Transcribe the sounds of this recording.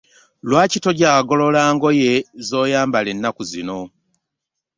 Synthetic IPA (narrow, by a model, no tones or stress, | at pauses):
lwaːcito̞ɟaːɡo̞lo̞laːŋɡo̞jezo̞ːjaːmbalenːakuzino̞